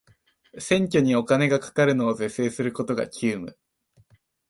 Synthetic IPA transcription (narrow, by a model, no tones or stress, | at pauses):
sẽ̞ŋkʲo̞ɲ̟io̞kane̞ɡakḁkaɾɯ̟no̞ːze̞se̞ːsɨɾɯ̟ko̞t̪o̞ɡa̰kʲɨːmɯ̟̰